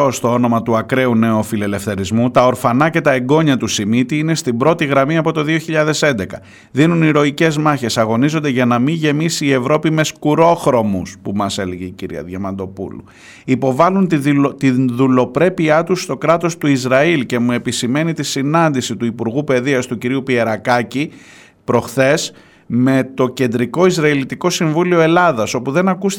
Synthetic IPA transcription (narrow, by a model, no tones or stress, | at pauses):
ost̪o̞o̞no̞mɐt̪uɐkɾe̞une̞ofile̞le̞fθe̞ɾizmut̪ɐo̞ɾfɐnɐce̞t̪ɐeɡo̞ɲɐt̪usimit̪iine̞st̪ibɾo̞t̪iɣɾɐmiɐpo̞t̪o̞ðio̞çiʎɐðe̞se̞nd̪e̞kɐ | ðinuniɾo̞ice̞zmɐçe̞sɐɣo̞nizond̪eʝɐnɐmiʝe̞misiːe̞vɾo̞pime̞skuɾo̞xɾo̞muspumɐse̞leʝe̞iciɾḭɐ̰ðʝɐmɐnd̪o̞pṵlṵ | ipo̞vɐlunt̪iðulo̞pɾe̞piɐt̪ust̪o̞kɾɐt̪o̞st̪uizɾɐilce̞mue̞pisime̞nit̪isinɐnd̪isit̪uipuɾɣupe̞ðiɐst̪uciɾiupie̞ɾɐkɐci | pɾo̞xθe̞s | me̞t̪o̞ce̞nd̪ɾiko̞izɾɐilit̪iko̞siɱvulio̞e̞lɐðɐso̞puðe̞nɐkus